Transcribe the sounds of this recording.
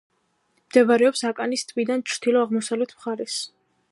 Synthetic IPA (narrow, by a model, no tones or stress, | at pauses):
md̪̥ɛvaɾɛɔpsakʼanist̪ʼvid̪ant͡ʃʰɾd̪ilɔaʁmɔsavlɛt̪ʰmχaɾɛs